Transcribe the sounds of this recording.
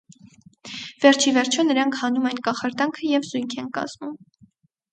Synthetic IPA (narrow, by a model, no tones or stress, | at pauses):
vɛɾt͡ʃʰivɛɾt͡ʃʰɔnəɾɑŋkʰhɑnumɛnkɑχɑɾt̪ɑŋkʰəjɛvzujŋkʰɛnkɑ̰z̥mum